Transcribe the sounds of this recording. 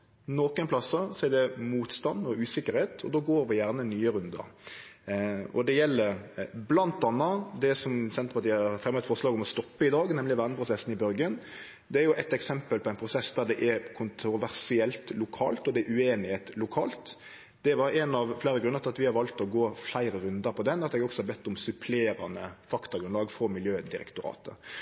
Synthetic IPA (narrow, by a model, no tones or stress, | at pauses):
noːkənpʰlɑsɑsɔɛd̪ɛmuːt̪st̪ɑnːɔʉːsɪkːəɾheːt̪ʰɔ̰d̪oːɡoːɾʋɪjæʁnənyːəɾʉnd̪ə̰ | ɔ̰d̪ɛjɛlːəɾblɑnt̪ɑnːɑd̪ɛsɔmsɛnt̪pɑt̪iːɑfʁɛmɑət̪fɔʁslɑːɡɔmɔst̪ɔpːəɪd̪ɑːɡnɛmlɪʋæːʁnəpʰɾʊsɛsn̩ɪbœɾɡən | d̪ɛæɾjʊʔɛt̪ɛksɛmpəlpʰɔæɪnpʰɾʊsɛsd̪æd̪ɛʔɛɾkʰʊnt̪ɾʊʋæɾsɪɛlt̪lʊkʰɑ̰ːlt̪ɔd̪ɛæɾʉeːnɪheːt̪lʊkʰɑ̰ːlt̪ | d̪̥ɛʋɑɾɛnɑʋflæɪɾəɡɾʉnːəɾt̪ɑt̪ʋɪhɑɾʋɑlt̪ɔɡoːflæɪɾəɾʉnd̪əɾpʰɔd̪ɛnːɑt̪ɛɡɔksɔhɑɾbɛt̪ːʊmsʉpʰleːɾɑ̰nəfɑkt̪ʊɡɾʉnɑːɡfɔmɪljøːd̪ɪɾɛ̰kt̪ʊɾɑ̰ːt̪ə̰